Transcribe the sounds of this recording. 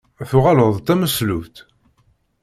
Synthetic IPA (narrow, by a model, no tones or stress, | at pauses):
θʊʁaləðˤt̪æməslut̪